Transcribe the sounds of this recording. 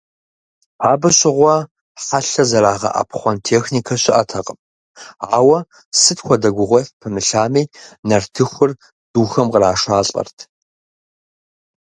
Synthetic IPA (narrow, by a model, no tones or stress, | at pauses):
aːbɨɕʼɪʁʷɔ | ħaɬɐzɐɾaːʁɐ̰ʔa̰pχʷɔntʰeːxnikʰɐɕɪʔɐtʰɐqʼəpʼ | aːwɐ | sɨtxʷɔdɐɡʷʊʁʷɔɬpʰɨmɨɬaːmiːnɐrtʰɨxʷʊr | d̥uːxɐmqəraːʂaːɬʼɐ̰rtʰ